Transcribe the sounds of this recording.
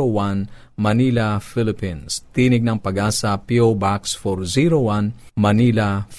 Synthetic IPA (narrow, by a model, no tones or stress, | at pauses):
owan | mɐnilafɪlɪpinst̪iːnɪɡ̚nɐŋpɐɡaːsapiobaksfoɾziɾowanmɐnila